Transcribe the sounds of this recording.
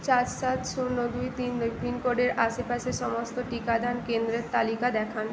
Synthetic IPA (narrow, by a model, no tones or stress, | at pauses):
t͡ɕad͡ʑsat̪ʃuɾnod̪ujt̪ind̪okʰinkoɖeɾaʃepaʃeʃɔmost̪oʈikad̪ʱankend̪ɾeɾt̪alikad̪ɛkʰan